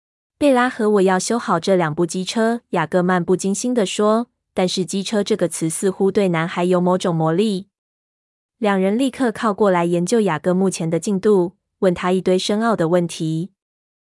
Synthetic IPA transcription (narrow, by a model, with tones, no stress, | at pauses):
pe˥˩ɪla˥xɤ˧˦wɔ˨˩jɑ˥˩ʊɕjo˥ʊxɑ˨˩ʊʈ͡ʂɤ˥˩ljɑ˨˩ŋpu˥˩t͡ɕi˥ʈ͡ʂʰɤ˥ja˨˩kɤ˥˧ma˥˧npu˥˩t͡ɕi˥ŋɕi˥nd̪ə˨ʂwɔ˥ | t̪a˥˧nʂɻ̩˥˩t͡ɕi˥ʈ͡ʂʰɤ˥ʈ͡ʂɤ˥˩ɡə˩t͡sʰɹ̩˧˦sɹ̩˥˧xu˥t̪we˥˩ɪna˧˥nxa˧˥ɪjo˧˥ʊmo˧˥ʊʈ͡ʂʊ˨˩ŋmwɔ˧˥li˥˩ | ljɑ˨˩ŋɻə˧˦nli˥˧kʰɤ˥˧kʰɑ˥˧ʊkwɔ˥˩la˧˦ɪjɛ˨˥nt͡ɕjo˥˩ʊja˨˩kɤ˥˧mu˥˩t͡ɕʰjɛ˧˥nd̪ə˧t͡ɕi˥˧ŋt̪u˥˧ | wə˥˩nt̪ʰa˥i˥˧t̪we˥˩ɪʂə˥ŋɑ˥˩ʊd̪ə˩wə˥˩nt̪ʰi˨˧˦